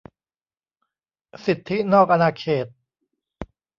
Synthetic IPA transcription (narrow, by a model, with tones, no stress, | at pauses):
si˨˩t̪ʰːi˦˥nɔː˥˩k̚ʔa˧naː˧kʰeː˨˩t̪̚